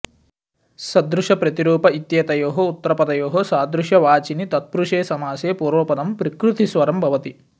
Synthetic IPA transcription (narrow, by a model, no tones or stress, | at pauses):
sɐd̪ɾuʂɐpɾɐt̪iɾuːpɐit̪jɐːt̪ɐjoːɦɐut̪ːɐɾɐpɐd̪ɐjoːɦɐsaːd̪ɾuʂɐʋaːt͡ʃinit̪ɐt̪̚pɾuʂeːsɐmaːseːpuːɾʋoːpɐd̪ɐmpɾɐkɾut̪ʰisʋɐɾɐmbʱɐʋɐt̪i